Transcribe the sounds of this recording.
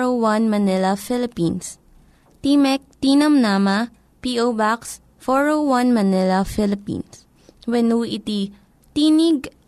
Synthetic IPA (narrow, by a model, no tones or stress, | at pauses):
owɐnmɐnɛlɐfɪlɪpins | t̪iːmɛk̚t̪iːnɐmnamɐ | piʔobaks | fɔɹowwɐ̃nmɐnɛlɐfɪlɪpḭ̃ns | wɛnuːʔɪt̪i | t̪iːniɡ̚